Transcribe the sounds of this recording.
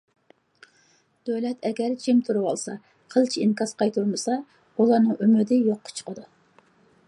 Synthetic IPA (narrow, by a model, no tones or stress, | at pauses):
d̪̥ølɛt̪ʰɛɡʲɛɾd͡ʒimt̪ʰuɾuwɑ̰lˠsɑ | qʰəlˠt͡ʃʰiinkʰɑsqʰɑjt̪ʰuɾmɨsɑ | ulˠɑɾnɨŋymɪd̪ɪjoqʰːʊ̥t͡ʃʰə̥qʰəd̪u